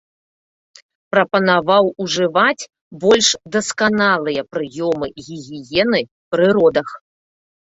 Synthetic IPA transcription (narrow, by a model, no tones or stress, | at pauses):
pɾɐpɐnavawuʐɨvat͡sʲ | bɔlʲʂd̪ɐskanalˠɨjɐpɾɨjɔmɨɣʲiɣʲijɛnɨ | pɾɨɾɔd̪ɐx